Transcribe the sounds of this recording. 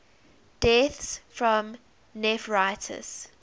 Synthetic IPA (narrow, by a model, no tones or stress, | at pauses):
d̥ɛθsfɹɔ̃m | nɛfɹaɪtʰə̰z̥